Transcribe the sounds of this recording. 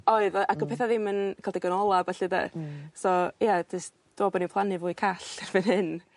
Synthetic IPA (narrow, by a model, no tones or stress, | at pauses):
oɨðɔʔaɡəpʰɛːθaðɪmənkʰalˠdɛɡɔnɔlˠabɛɬidɛ̰sɔjadɪs | d̥oːbɔnipʰlˠanɨvuːɨkʰaɬɛrvɪnhɪn